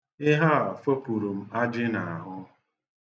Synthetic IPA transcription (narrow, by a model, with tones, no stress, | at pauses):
ɪ˦ɦa˦a˨fo˦pu˨ɾu˨m̩˦a˦d͡ʒɪ˦na˨a˨ɦʊ˦